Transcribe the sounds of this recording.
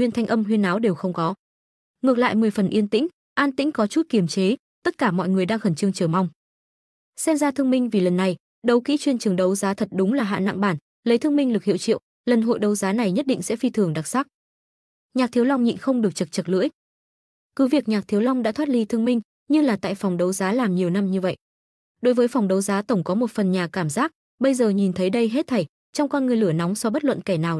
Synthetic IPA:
wi˧ənt̪ʰa˧jŋ̟ʔə˧mɦwi˧ənːaː˨˦wɗe˨˩wxə˧wŋ͡mkɔ˨˦ | ŋɨ˨˩ək̚la̰ː˧˨jmɨ˨˩əjfə˨˩nʔi˧ənt̪ḭ˧˥ŋ̟ | ʔaː˧nt̪ḭ˧˥ŋ̟kɔ˨˦t͡ɕu˦˥t̚ki˧˩əmt͡ɕe˨˦ | t̪ə˦˥t̚kaː˧˩mɔ̰˧˨jŋɨ˨˩əjɗaː˧ŋxə˧˩nt͡ɕɨ˧əŋt͡ɕɨ˧˩ma˧wŋ͡m | sɛ˧mzaː˧t̪ʰɨ˧əŋmï˧ŋ̟vi˨˩lə˨˩nːa˨˩j | ɗə˨˦wkḭ˧˥t͡ɕwi˧ənt͡ɕɨ˨˩əŋɗə˨˦wzaː˨˦t̪ʰə˨˩t̚ɗʊ˨˦ŋ͡mlaː˨˩ɦa̰ː˧˨na̰˧˨ŋɓaː˧˩n | lə˨˦jt̪ʰɨ˧əŋmï˧ŋ̟lɨ˨˩k̚hḭ˧˨wt͡ɕḭ˧˨w | lə˨˩nɦo̰˧˨jɗə˨˦wzaː˨˦na˨˩jɲə˦˥t̚ɗḭ˧˨ŋ̟sɛ̰˧˥fi˧t̪ʰɨ˨˩əŋɗa˨˩t̚saː˦˥k̚ | ɲaː˨˩k̚t̪ʰi˨˦əwla˧wŋ͡mɲḭ˧˨nxə˧wŋ͡mɗɨ˨˩ək̚t͡ɕə˨˩t̚t͡ɕə˨˩t̚lɨ̰˧˥əj | kɨ˨˦vi˨˩ək̚ɲaː˨˩k̚t̪ʰi˨˦əwlɔ˧wŋ͡mɗa̰ː˧˥t̪ʰwaː˦˥t̚li˧t̪ʰɨ˧əŋmï˧ŋ̟ | ɲɨ˧laː˨˩t̪a̰ː˧˨jfɔ˨˩wŋ͡mɗə˨˦wzaː˨˦laː˨˩mɲi˨˩əwna˧mɲɨ˧və̰˧˨jʔ | ɗo˨˦jvəː˨˦jfɔ˨˩wŋ͡mɗə˨˦wzaː˨˦t̪ə˧˩wŋ͡mkɔ˨˦mo˨˩t̚fə˨˩nɲaː˨˩kaː˧˩mzaː˦˥k̚ | ɓə˧jzəː˨˩ɲi˨˩nt̪ʰə˨˦jɗə˧jɦe˦˥t̚t̪ʰa˨˧˩j | t͡ɕɔ˧wŋ͡mkɔ˧nŋɨ˨˩əjlɨ˧˩ənɔ˨˦wŋ͡msɔ˧ɓə˦˥t̚lwə̰˧˨nkɛ˧˩naː˨˩w

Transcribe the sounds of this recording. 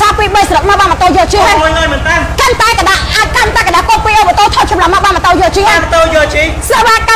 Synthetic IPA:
saː˧piː˧ɓə˧jsəɾo˨˩k̚ma˧ɓaː˧mə˨˩t̪o˧jɔː˧t͡ɕi˧mu˧əjlaː˧jmə˨˩nt̪amkənt̪aɛka˨ɗaʔakant̪aɛka˨ɗaː˧ko˧piː˧ʔo˧pa˨˩t̪oː˧t̪ʰo˧t̚t͡ɕɑ˨mla˨˧ma˧ʔɓaː˧nma˨˩t̪o˧jɔː˧t͡ɕi˧m˨t̪o˧jɔː˧t͡ɕi˧ | se˨ʋaː˧ka

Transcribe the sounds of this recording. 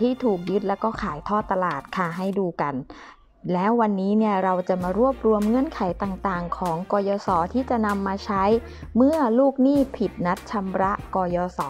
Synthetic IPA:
t̪ʰiː˥˩t̪ʰuː˨˩k̚jɯ˦˥t̪̚lɛː˦˥wkɔː˥˩kʰaː˩˦jt̪ʰɔː˥˩t̪ːa˧laː˨˩t̪̚kʰa˥˩ɦa˥˩jduː˧ka˧n | lɛː˦˥wːa˧nːiː˦˥ni˥˩ɐɾa˧wt͡ɕa˨˩maː˧ɾu˥˩əp̚ɾu˧əmŋɤ˥˩ənkʰa˩˦jt̪aː˨˩ŋt̪aː˨˩ŋkʰɔː˩˦ŋkɔː˧jɔː˧sɔː˩˦t̪ʰiː˥˩t͡ɕa˨˩ʔna˧mːaː˧t͡ɕʰa˦˥j | mɯ˥˩ɐluː˥˩k̚niː˥˩pʰi˨˩t̪̚na˦˥t̪̚t͡ɕʰa˧mɾa˦˥ʔkɔː˧jɔː˧sɔː˩˦

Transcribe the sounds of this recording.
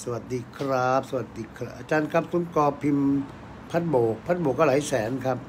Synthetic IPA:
sa˧wa˨˩t̪̚diː˧kʰɾa˦˥p̚sa˧wa˨˩t̪̚diː˧kʰaʔaː˧t͡ɕaː˧nkʰa˦˥p̚su˨˩˦nkɔː˧pʰi˧m | pʰa˦˥t̪̚boː˨˩k̚pʰa˦˥t̪̚boː˨˩k̚ːɔː˥˩laː˩˦jsɛː˩˦nkʰa˦˥p̚

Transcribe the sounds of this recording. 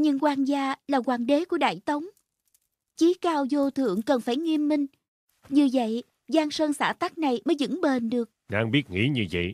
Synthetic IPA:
ɲɨ̰˧˥ŋkwaː˧nzaː˧laː˨˩kwaː˨˩ŋɗe˨˦ku˧˩əɗa̰ː˧˨jt̪ə˨˦wŋ͡m | t͡ɕi˨˦kaː˧wzo˧t̪ʰɨ̰˧˨əŋkə˨˩nfaː˧˩jŋi˧əmːï˧ŋ̟ | ɲɨ˧və̰˧˨j | zaː˧ŋsəː˧nsaː˧˩t̪a˦˥k̚na˨˩jməː˨˦jzɨ̰˧˥ŋɓe˨˩nɗɨ˨˩ək̚ɗaː˧ŋɓi˦˥ət̚ŋḭ˧˥ɲɨ˧və̰˧˨j

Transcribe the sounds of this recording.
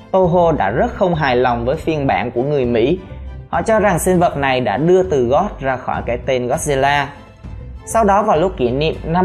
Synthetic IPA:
t̪o˧ɦo˧ɗa̰ː˧˥zə˦˥t̚xə˧wŋ͡mɦaː˨˩jla˨˩wŋ͡mvəː˨˦jfi˧ənɓa̰ː˧˩nku˧˩əŋɨ˨˩əjmḭ˧˥hɔ̰˧˨t͡ɕɔ˧za˨˩ŋsï˧ŋ̟və˨˩t̚na˨˩jɗa̰ː˧˥ɗɨ˧ət̪ɨ˨˩ɣɔ˦˥t̚zaː˧xɔ˧˩jkaː˧˩jt̪e˧nɣɔ˦˥t̚zi˧laː˧ | sa˧wɗɔ˨˦vaː˨˩wlʊ˦˥k͡p̚ki˧˩ənḭ˧˨əmna˧

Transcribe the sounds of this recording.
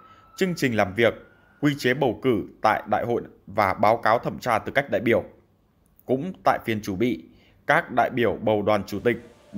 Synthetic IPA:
t͡ɕɨ˧ŋt͡ɕï˨˩ŋ̟laː˨˩mvi˨˩ək̚ː | wi˧t͡ɕe˨˦ɓə˨˩wkɨ˧˩t̪a̰ː˧˨jɗa̰ː˧˨jho̰˧˨jvaː˨˩ɓaː˨˦wkaː˨˦wt̪ʰə˧˩mt͡ɕaː˧t̪ɨ˨˩ka˦˥jk̚ɗa̰ː˧˨jɓi˧˩əw | kʊ̰˧˥ŋ͡mt̪a̰ː˧˨jfi˨˩ənt͡ɕu˧˩ɓḭ˧˨ | kaː˦˥k̚ɗa̰ː˧˨jɓi˧˩əwɓə˨˩wɗwaː˨˩nt͡ɕu˧˩t̪ï˨˩k̟̚

